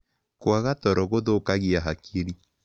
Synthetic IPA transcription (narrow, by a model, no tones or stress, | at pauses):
kwaɣatɔɾɔɣoðokaɣiaɦakiɾi